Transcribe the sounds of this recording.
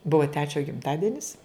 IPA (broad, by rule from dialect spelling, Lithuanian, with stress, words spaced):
ˈbʊʋɐ ˈtʲæːt͡ʃʲoː ɡʲɪmˈtɑːdʲɛnʲɪs